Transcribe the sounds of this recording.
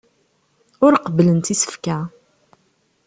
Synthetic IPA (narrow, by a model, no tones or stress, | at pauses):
ʊɾqəblənt̪isə̥fkæ